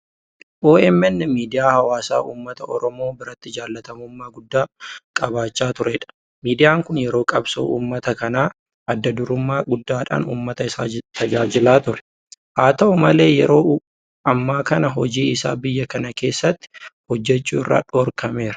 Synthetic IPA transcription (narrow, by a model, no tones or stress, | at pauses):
ʔo̞ːɛmɛnːɪmiːd̪ɪjaːhɐwaːsa̰ːʔuːmːɐt̪ɐʔɔ̰ɾɔmo̞ːbɪɾɐt̪ːɪd͡ʒaːlːɐt̪ɐmʊmːaːɡʊd̪ːaːkʼɐbaːt͡ʃːaːt̪ʊɾɛᶑɐ̥ | miːd̪ɪjaːŋkʊnjɛɾo̞ːkʼɐbso̰ːʔuːmːɐt̪ɐkɐnaː | ʔɐd̪ːɐd̪ʊɾʊmːaːɡʊd̪ːaːᶑa̰ːnṵːmːɐt̪ɐɪsaːt̪ʰɐd͡ʒaːd͡ʒɪlaːt̪ʊɾɛ̥ | ʔaːt̪ɐʔʊmɐle̞ːjɛɾo̞ː | ɐmːaːkɐnɐɦɔd͡ʒiːɪsa̰ːbɪjːɐkɐnɐke̞ːsːɐt̪ːɪ̥hɔd͡ʒːɛt͡ʃːuːɪrːa̰ːᶑɔːɾkɐme̞ːɾɐ